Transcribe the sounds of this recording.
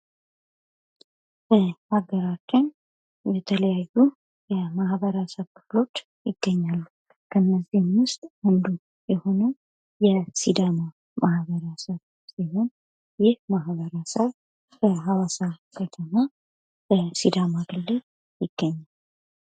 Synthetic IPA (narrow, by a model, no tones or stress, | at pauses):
bəhaɡəɾat͡ʃːɪn | jɛt̪ʰələjajːu | jɛmahβəɾasəβkɨflo̞t͡ʃː | jɪɡ̥ːəɲːalːu | kʰənːəzihmwʊst̪ʼwənd̪u | jɛho̞nə | jɛsid̪ama | mahβəɾasəβ | siɦo̞n | jɪhmahβəɾasəβ | bəɦawasakʰət̪ʰəma | bəsid̪amaɡɨlːɨl | jɪɡ̥ːəɲːal